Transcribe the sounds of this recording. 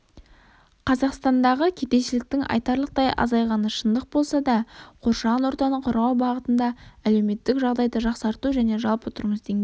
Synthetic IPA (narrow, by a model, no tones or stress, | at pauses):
qʰɑzɑqst̪ɑnd̪ɑʁəkʲʰe̞t̪e̞ʃɪlɪk̚t̪ɪŋɑ̰jt̪ɑɾlˠəq̚t̪ɑjʔɑ̰zɑjʁɑnəʃənd̪əq̚bo̞lˠsɑd̪ɑqʰo̞ɾʃɑʁɑnwo̞ɾt̪ɑnəɴqʰʊɾʁɑwbɑʁət̪ənd̪ɑæle̞wme̞t̪ːɪkʒɑʁd̪ɑjd̪əʒɑqsɑɾt̪uʒæne̞ʒɑlˠpwot̪əɾməzd̪eŋɡʲe